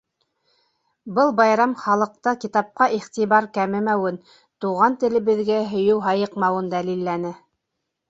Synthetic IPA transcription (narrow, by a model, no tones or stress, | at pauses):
bɤlˠbɑjɾɑmχɑlˠɤ̆q̚t̪ɑkit̪ɑp̚qɑʔiχt̪iβɑɾkæmɘmæwɘn | t̪uʁɑnt̪ɘ̆lɘ̆βɘ̆ðɡæɦɵ̆jɘwɦɑjɤqmɑwɤnd̪ælilːænɘ